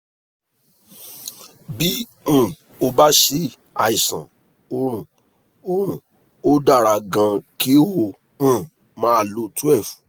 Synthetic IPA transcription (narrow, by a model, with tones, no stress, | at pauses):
bi˦ | ũ˦˨ | o˧ba˦ʃe˦ | a̰˧i˨sã̰˨ | õ˦˨ | o˦ũ˨ | o˦da˦˨ɾa˧˨ɡã˧ki˦o˦ho˦˧ | ũ˦˨ | mãː˨˦a˧˨lo˨˦tu˦ɛ˦˨fu̥˨